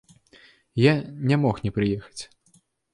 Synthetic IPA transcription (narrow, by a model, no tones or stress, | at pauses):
janʲɛmɔxnʲɛpɾɨjɛxɐ̥t͡sʲ